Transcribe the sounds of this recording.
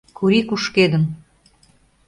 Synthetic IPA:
kuɾikuʃked̪əm

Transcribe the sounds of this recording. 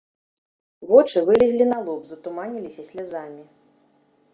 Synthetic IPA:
vɔt͡ʂɨvɨlʲɛzʲlʲinalˠɔpzɐt̪umanʲilʲisʲɐsʲlʲazamʲi

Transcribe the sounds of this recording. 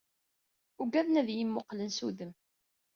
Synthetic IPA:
ʊɡæðnæðjimːoqlənsuðəm

